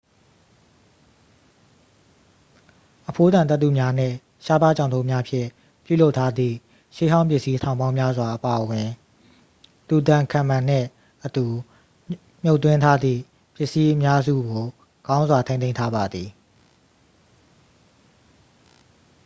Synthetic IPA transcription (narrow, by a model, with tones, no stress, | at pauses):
ʔəpʰo˦d̪ã˨nt̪ɛ˦t̪ːṵ˨mja˦n̥ɪ̰̃˦˨ | ʃa˦pa˦˨t͡ɕã˨nd̪õ˦mja˦pʰjɪ̰̃˦˨ | pjṵ˦˨lo˦ʊtʰːa˦d̪ðḭ˦˨ | ʃe˦ɦã˦ʊ̃mp̬jɪ˦ʔsi˦tʰã˨ʊ̃bã˦ʊ̃mja˦zwa˨ʔəpa˨ʔəwɪ̃˨ | t̪u˨t̪ã˨kʰã˨mã˨n̥ɪ̰̃˦˨ | ʔət̪u˨ | m̥jo˦ʊt̪ːwɪ̃˦ntʰa˦d̪ðḭ˦˨ | pjɪ˦ʔsi˦ʔəmja˦zṵ˦˨ɡo˨ | ɡã˦ʊ̃nzwa˨tʰẽ˦nẽ˦ɪ̃tʰa˦ba˨d̪ði˨